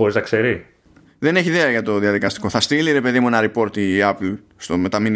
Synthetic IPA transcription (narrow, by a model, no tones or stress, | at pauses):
o̞ɾiznɐkse̞ɾi | ðe̞ne̞çiðeɐʝɐt̪o̞ðiɐðikɐst̪i̥ko̞θɐst̪iliɾe̞pe̞ðimunɐɾipo̞ɾt̪iɐplst̪o̞me̞t̪ɐmin